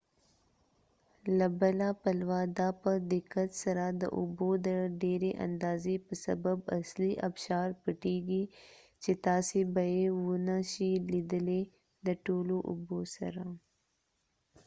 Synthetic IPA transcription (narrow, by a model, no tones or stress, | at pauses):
labəlapəlwɑd̪apəd̪ɪkat̪sɐɾad̪ə̰ʔʊbod̪əɖeɾeʔa̰nd̪ɑːzepəsɐ̰babɐ̰sliʔɐbʃɑːɾpəʈeɡi | t͡ʃet̪ɑːsebajewʊnaʃilid̪əle | d̪əʈoːloʔʊ̰bosɐ̰ɾa